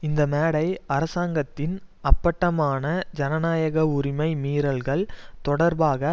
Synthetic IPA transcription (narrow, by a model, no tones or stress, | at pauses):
ɪnd̪ɐmeːɽɐɪɐɾɐsaːŋɡɐt̪ːɪnɐpːɐʈːɐmaːnɐd͡ʒɐnɐnaːjɐɣɐʊɾɪmɐɪmiːɾɐlɣɐɭt̪ɔɽɐɾbaːɣɐ